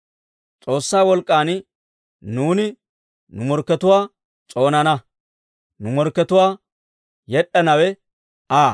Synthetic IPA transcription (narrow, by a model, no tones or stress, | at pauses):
t͡sʼo̞ːsːaːwɔlkʼːaːn | nuːnɪ | nʊmɔɾkːɛt̪ʊwaː | t͡sʼo̞ːnɐnɐ | nʊmɔɾkːɛt̪ʊwaː | jɛɗːɐnɐwɛ | aː